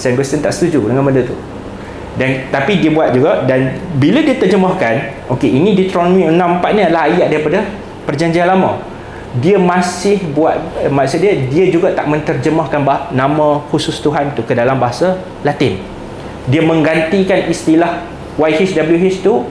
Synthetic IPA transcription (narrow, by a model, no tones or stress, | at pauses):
sanɡwɛst̪ənt̪a̰ʔsə̥t̪ud͡ʒudəŋanməndət̪u | dant̪apidiəbuat̪̚d͡ʒuɡadanbiladiət̪ərd͡ʒəmahkan | ʔokeinĩdit̪ɾonõmĩənãmpaʔ̪̚ɲalahajaʔdaɾipada | pərd͡ʒaɲd͡ʒianlamã̰ | diəmãsɪhbuat̪̚maaʔsadiədiəd͡ʒuɡat̪aʔmə̃nt̪ərd͡ʒəmahkanbanãmãxusʊst̪uɦant̪ukədalambaɦasa | lat̪ɪn | diəmə̃ŋɡant̪ikanist̪ilah | wajhisdabəliuɦist̪u